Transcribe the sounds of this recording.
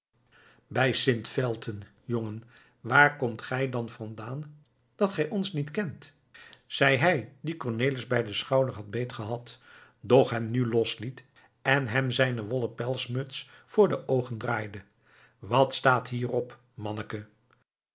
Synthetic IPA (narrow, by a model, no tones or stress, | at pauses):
bɛjsɪntfɛlˠtʰən | joŋən | ʋaːrkɔmtχɛjdɑnvɑndaːn | d̥ɑtχɛjʔɔnsnitkɛnt | z̥ɛjɦɛjdikɔɹneːləzbɛjdəsχɑwdəɹɦɑd̚bejtχəɦɑtdɔχɦɛmnylɔslit | ɛnɦɛmzɛjnəʋɔləpɛlˠsmɵts | fʊːɹdəʔowχəndraːjdə | ʋɑtstaːtɦiːrɔp | mɑnəkə